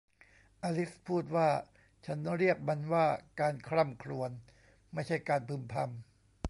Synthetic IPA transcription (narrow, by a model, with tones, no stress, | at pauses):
ʔaː˧li˦˥spʰuː˥˩t̪̚waː˥˩ | t͡ɕʰa˦˥nɾi˥˩ək̚ma˧nwaː˥˩kaː˧nkʰɾa˥˩mkʰɾu˧ən | ma˥˩jt͡ɕʰa˥˩jkaː˧npʰɯ˧mpʰa˧m